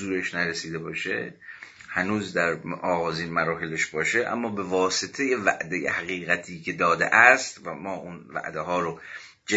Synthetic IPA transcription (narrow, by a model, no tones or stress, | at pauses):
uːɾeʃnæɾesiːd̪e̞bɒːʃḛ | hænuːzd̪æɾɒːɣɒːziːnmæɾɒːɦeleʃbɒːʃeʔæ̰mːɒːbe̞vɒːset̪ʰe̞jevæ̰ʔd̪ejḛhæɣiːɣæt̪ʰiːcʰe̞d̪ɒːd̪ḛʔæst̪væmɒːʔunvæ̰ʔd̪eɦɒːɾo | d͡ʒe